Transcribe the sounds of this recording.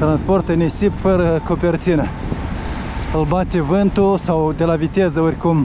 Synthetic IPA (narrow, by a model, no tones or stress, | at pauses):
t̪ɾansport̪ənesipfəɾəkopert͡ʃ̪inə | ɨlbat̪evɨnt̪usawd̪e̞lavit̪ezəoɾʲkum